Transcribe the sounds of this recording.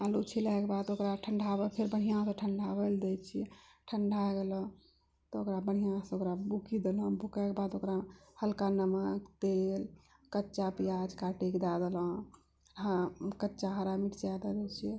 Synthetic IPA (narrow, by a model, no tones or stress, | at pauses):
alut͡ʃʰilakebad̪okɾaʈʰəɳɖʱabəpʰeɾbəɽ̤ijãsə̃ʈʰəɳɖʱabəld̪ɛt͡ʃʰiɛʈʰəɳɖʱaɡelə̃ | t̪ɔokɾabəɽ̤ijãsokɾabukid̪eləbʱukakebad̪okɾahəlkanəməkt̪el | kətːt͡ʃapijad͡ʒkaʈekd̪ad̪elə̃ | kətːt͡ʃaɦəɾamiʈd͡ʒjad̪ad̪et͡ʃʰiɛ